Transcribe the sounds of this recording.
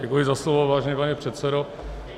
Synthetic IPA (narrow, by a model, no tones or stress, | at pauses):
ɛkujɪzaslovovaːʒɛɲɛpaɲɛpr̝̥ɛt̪sɛdo